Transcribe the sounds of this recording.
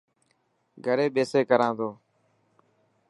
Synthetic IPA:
ɡʱəɾeːɓeːseːkəɾãːnd̪oː

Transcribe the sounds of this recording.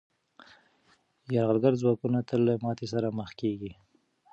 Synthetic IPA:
jaɾɣalɡaɾzwɑkunat̪əlːamɑt̪esaɾaməxkeɡi

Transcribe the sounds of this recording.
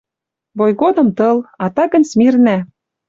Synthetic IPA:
βojɣod̪ɤ̆mt̪ɤ̆lɑt̪ɑkə̆nt͡smirnæ

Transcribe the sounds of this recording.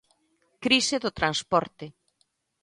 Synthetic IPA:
kɾiseðʊt̪ɾanspɔɾt̪ɪ

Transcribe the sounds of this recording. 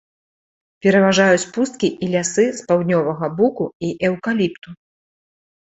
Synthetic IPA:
pʲɛɾɐvaʐajut͡sʲpust̪̚kʲiʔilʲasɨspawd̪ʲnʲɔvɐɣɐbukuiʔɛwkalʲipt̪u

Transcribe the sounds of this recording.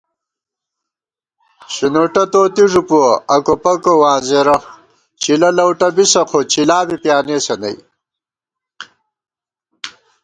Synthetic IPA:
ɕinoʈɐt̪oːt̪iʐupuɐɐkopɐkowaːnzeɾɐ | t͡ɕilɐlɐwʈɐbisɐqʰot͡ɕilaːbipjaːneːsɐnɐ̰j

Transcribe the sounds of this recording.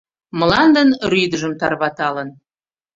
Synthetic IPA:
mə̆lɑnd̪ənryd̪əʒəmt̪ɑrβɑt̪ɑlən

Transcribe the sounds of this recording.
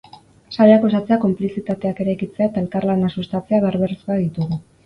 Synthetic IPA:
saɾeako̞sat͡seako̞mplisit̪at̪e̞ake̞ɾajkit͡seaet̪ae̞lkarlanasust̪at͡se̞aβaɾβe̞rskoaðit̪uɣu

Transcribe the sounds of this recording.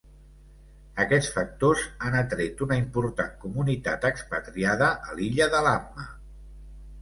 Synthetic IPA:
əkɛt͡sfək̚t̪ozanət̪ɾet̪unəimpuɾt̪a̰ŋkumunit̪a̰t̪əkspət̪ɾiaðəʔəliʎəðəlarmə

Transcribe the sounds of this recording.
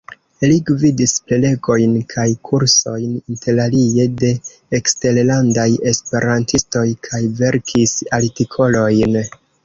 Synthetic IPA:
liɡvidisplele̞ɡo̞jnkʰajkʰuɾso̞jninte̞ɾalie̞de̞ː | kste̞llandajespe̞ɾantisto̞jkʰajve̞ɾkʰisaltikʰo̞lo̞jn

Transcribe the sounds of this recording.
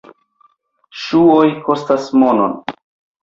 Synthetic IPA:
ʃuojkʰo̞stasmono̰n

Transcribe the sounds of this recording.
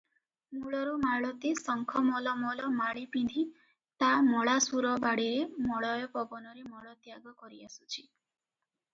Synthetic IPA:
muɭɔɾumaɭɔt̪isɔŋkʰɔmɔlɔmɔlɔmaɭipind̪ʱi | t̪amɔɭasuɾɔbaɽiɾemɔɭɔjɔpɔbɔnɔɾemɔɭɔt̪jaɡɔkɔɾiasu̥t͡ʃʰi̥

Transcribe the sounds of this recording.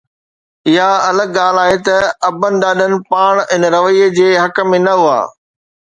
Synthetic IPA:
ɪɦaɐləɡɠaːl̤aːɦet̪ɐɐbənɪ̆ɗaːɗənɪ̆paːɽ̃ɪnɾɐʋəiəd͡ʑeːɦɐkəmẽnɐɦua̰ː

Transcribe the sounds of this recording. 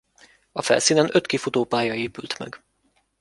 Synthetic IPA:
ɒfɛ̰lsiːnɛnøt̪kifut̪oːpaːjɒeːpylt̪mɛ̰ɡ

